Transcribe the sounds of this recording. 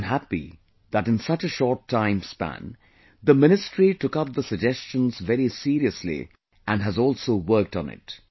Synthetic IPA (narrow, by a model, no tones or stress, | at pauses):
nɦæpḭ | ðəɾɨ̃nsʌt͡ʃəʃɔɹtʰːãɪ̃mspæ̰̃n | ðəmɪ̃ñɨstɹ̥itʊkʌp̚ðəsɨd͡ʒɛst͡ʃə̃nzvɛɾisiɾiɨslḭ | ʔæ̃nɦɨzɔːlˠsoʊwɜ˞k̚tn̩ɪ̰t